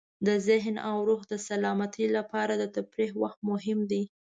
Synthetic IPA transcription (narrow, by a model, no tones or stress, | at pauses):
d̪əzɪɦnawɾuxd̪əsalɑmat̪ʰilapɑɾad̪ət̪apɾehwaxt̪̚mʊɦɪmd̪i